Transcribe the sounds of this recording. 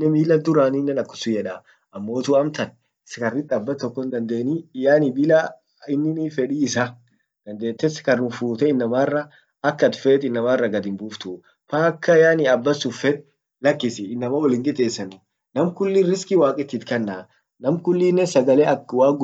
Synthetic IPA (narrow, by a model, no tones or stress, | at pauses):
ɛmiːlɐd̪ʊɾaːnɪːnːɛnɐkːʊ̥sʊjɛᶑa | ɐmːo̞ːt̪uɐmt̪ɐn | ɪskɐrːɪt̪ʼːɐbːɐt̪ɔkːɔnd̪ɐnd̪e̞ːnijaːnɪbɪla | ɪnːɪniːfɛᶑiɪsa | d̪̥ɐnd̪e̞ːt̪ːɛskɐrnʊfuːt̪ɛɪnːɐmaːrːɐ | ɐkːɐt̪feːt̪ɪnːɐmaːrːɐɡɐd̪ɪmbuːft̪ʊ | faːkːɐjaːnɪɐbːɐsʊfɛᶑ | lɐkːɪsɪɪnːɐmawɐlɪŋɡɪt̪ʼeːsːɐnʊ | nɐmkʊlːinɾɪskɪwaːkʼɪt̪ːit̪kɐnːaː | nɐmkʊlːinːɛsɐɡɐlɛɐwaːɡʊ